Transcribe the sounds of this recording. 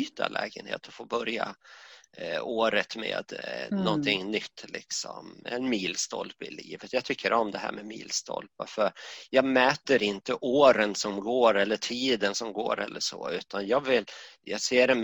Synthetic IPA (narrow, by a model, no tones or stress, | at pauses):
yːt̪ʰa̰lʔɛːɡənhḛːt̪ʰɔfoːbœɾja | oːɾət̪mḛːd̪nɔnt̪ʰɪŋnʏt̪ʰːlɪksɔmɛ̰nmiːlst̪ɔlpɪliːvət̪jɑːt̪ʰʏkʰːəɾɔmd̪ɛɦæ̰ːɾmɛmḭːlst̪ɔ̰lpafœɾjɑːɡmɛːt̪əɾɪnt̪əʔoːɾənsɔmɡoːɾɛlːəʈʰiːd̪ənsɔmɡoːɾɛlːəʂɔ̰ʉ̟ːt̪ʰanjɑːɡvɪljɑːseːɾɛ